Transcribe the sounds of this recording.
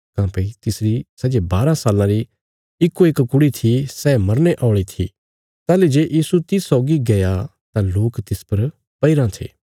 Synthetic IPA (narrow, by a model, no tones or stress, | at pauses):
kãːpeit̪ɪsɾisɛːd͡ʒebaːɾãsaːlãɾi | ɪkːoeːkkʊɽit̪ʰisɛmɐɾneʔaːʊɭit̪ʰḭ | t̪ɛːled͡ʒeːʔjiːsut̪ɪssɔːɡiɡɐja | t̪ãloːkt̪ɪspɐɾ | pɐiɾãt̪ʰḛː